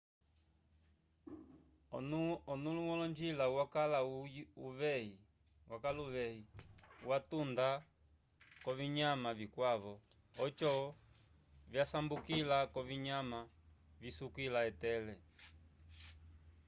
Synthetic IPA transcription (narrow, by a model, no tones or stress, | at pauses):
ɔnulumɔlɔɲd͡ʒilauwakalauuvɛi | wakaluvɛiuwatunda | kɔviɲamavikwaβɔ | ɔt͡ʃɔ | vjasambukilakɔviɲama | visukilaɛtɛlɛ